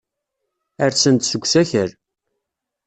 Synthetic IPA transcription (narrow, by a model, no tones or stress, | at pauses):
əɾt͡sːənt̪səɡʷːsæçəɾ